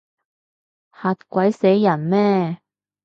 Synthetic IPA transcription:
haː˨˧t̚kʷɐ˨˥jsɛ˨˥jjɐ˨˩nmɛː˥

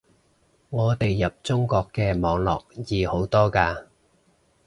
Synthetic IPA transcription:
ŋɔː˨˧t̪e˨jːɐ˨p̚t͡sʊ˥ŋkɔː˧kːɛː˧mɔː˨˧˥ŋlɔ̰ː˨k̚jiː˨˧ho˨˥wt̪ɔː˥kaː˧

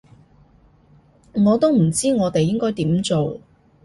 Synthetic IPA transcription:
ŋɔː˨˧t̪o˥wm̩˨˩t͡siː˥ŋɔː˨˧t̪e˨jːɪ˥ŋkɔː˥jt̪iː˨˥mt͡so˨w

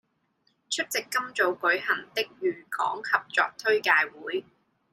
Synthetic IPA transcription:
t͡ʃʰɵ˥t̚t͡sɪ˨kːɐ˥mt͡so˨˧wkɵ˨˥ɥhɐ˨˩ŋt̪ɪ˥k̚jyː˨˩kɔ̰ː˨˥ŋhʰɐ˨p̚t͡ʃɔ̰ː˨k̚t̪ʰɵ˥ɥkaː˧jwuː˨˥j

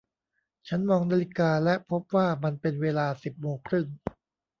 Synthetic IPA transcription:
t͡ɕʰa˦˥nmɔː˧ŋnaː˧li˦˥kaː˧lɛ˦˥ʔpʰo˦˥p̚waː˥˩ma˧npe˧nweː˧laː˧si˨˩p̚moː˧ŋkʰɾɯ˥˩ŋ

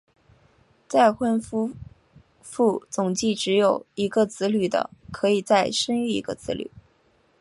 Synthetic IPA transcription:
t͡sa˥˧ɪxwə˥nfu˥ | fu˥˩t͡sʊ˨˩ŋt͡ɕi˥˩ʈ͡ʂɻ̩˧˥jo˨˩ʊi˧˥ɡə˧t͡sɹ̩˧˥ly˨˩d̪ə̰˧kʰɤ˧˥i˨˩t͡sa˥˩ɪʂə˥ŋy˥˩ḭ˧˥ɡə̰˧t͡sɹ̩˧˥ly̰˨˩˦

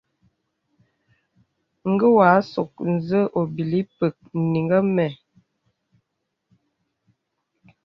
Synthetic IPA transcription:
ŋ̩˦ɡə˦wa˨˦so˨k̚n̩˨zə˦ʔo˨bi˨li˦pə˨k̚n˨ni˨ŋɡə˦mɛ˨

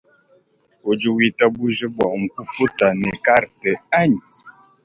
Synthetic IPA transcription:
o˨d͡ʒu˨wi˦ta˦bu˦ʒə˦bwɔ̰˨ʔŋ̩˨ku˦fu˦ta˨nɛ˨ka˦ɾtə˨a˦ɲ˨

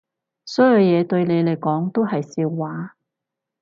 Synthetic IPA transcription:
sɔː˨˥œ˨˧wjɛː˨˧t̪ɵ˧ɥne˨˧jle˨˩jkɔː˨˥ŋt̪o˥whɐ˨jsiː˧wːaː˨˥

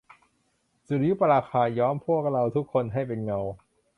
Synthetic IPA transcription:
su˨˩ɾi˦ju˦˥˩pa˧ɾaː˧xʰaː˧˩jɔː˦˥mpʰu˥˩ək̚ɾa˧wt̪ʰu˦˥kʰːo˧nɦa˥˩jpe˧nŋa˧w

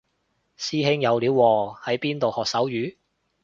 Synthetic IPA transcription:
siː˥ɦɪ˥ŋjɐ˨˧wliː˨˥wːɔː˨hɐ˨˥jpiː˥nt̪o˨whɔː˨k̚sɐ˨˥wjyː˨˥

